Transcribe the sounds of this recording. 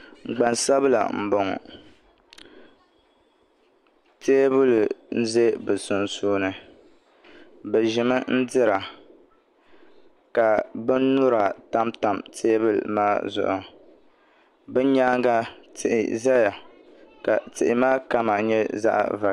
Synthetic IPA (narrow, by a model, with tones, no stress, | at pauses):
ŋ͡m̩˨ɡ͡ba˨nsa˦bɨ˦la̰˨m̩˨bo˨ŋɔ̰˨ | teː˦bɨ˦ln̩˦ze˦bɨ˨sʊ˨n˨suː˦nɨ˦ | bɛ˨ʒɪ˨mɨ˦n̩˦dɪ˦ɾa˨ | ka˨bɨ˦n˦nuʊ˦ɾa˨ta˦mta˨mtʰeː˦bɨ˦l̰maː˦zʊ̰˦ʔʊ˨ | bɨ˦ɲaː˦ŋɡa˦tɪ˨ʔɪ̰˨za˦ja˨ | ka̰˨tɪ˨ʔɪ˨maː˦ka˦ma˨ɲɛ˦za̰˦ʔva˨